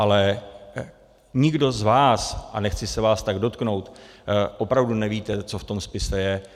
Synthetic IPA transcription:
ʔalɛ | ɲɪɡdo̞zvaːsʔanɛxt͡sɪsɛvaːst̪aɡdo̞t̪kno̞wt̪ʔo̞pɾavdunɛviːt̪ɛt͡so̞ft̪o̞mspɪsɛjɛ

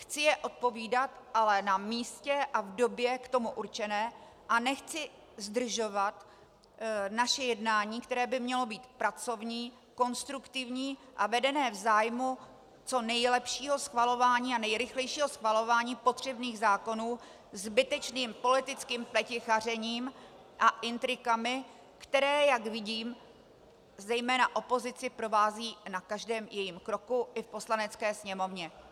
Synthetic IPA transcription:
xt͡sɪjɛʔo̞t̪̚po̞viːdat̪ʔalɛnamiːscɛʔavdo̞bjɛkt̪o̞muʔuɾt͡ʃɛnɛː | ʔanɛxt͡sɪ | zd̪r̩ʒo̞vat̪ | naʃɛjɛdnaːɲiːkt̪ɛɾɛːbɪmɲɛlo̞biːt̪pɾat͡so̞vɲiː | ko̞nst̪ɾukt̪ɪvɲiːʔavɛdɛnɛːvzaːjmu | t͡so̞nɛjlɛpʃiːɦo̞sxvalo̞vaːɲiːanɛjɾɪxlɛjʃiːɦosxvalo̞vaːɲiːpo̞t̪r̝̥ɛbniːɣzaːko̞nuː | zbɪt̪ɛt͡ʃniːmpo̞lɪt̪ɪt͡skiːmplɛcɪxar̝ɛɲiːm | ʔaʔɪnt̪ɾɪkamɪ | kt̪ɛɾɛːjakvɪɟiːm | zɛjmɛːnaʔo̞po̞zɪt͡sɪpɾo̞vaːziːnakaʒdɛːmjɛjimkɾo̞kuʔɪfpo̞slanɛt͡skɛːsɲɛmo̞vɲɛ

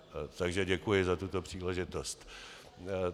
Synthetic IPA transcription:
t̪aɡʒɛɟɛkujɪzat̪ut̪o̞pr̝̥iːlɛʒɪt̪ost̪

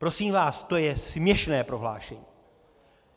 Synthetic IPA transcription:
pɾo̞siːmvaːst̪o̞jɛsmɲɛʃnɛːpɾo̞ɦla̰ːʃɛɲiː

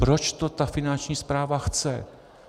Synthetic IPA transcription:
pɾot͡ʃt̪ot̪afɪnant͡ʃɲiːspɾaːvaxt͡sɛ̰

